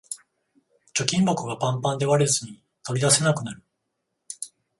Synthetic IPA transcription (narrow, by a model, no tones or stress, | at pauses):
t͡ɕo̞kʲĩmbo̞kɯ̟ɡapãmpãnd̪e̞βaɾezɨɲ̟i | t̪o̞id̪ase̞nakɯ̟naɾɯ̟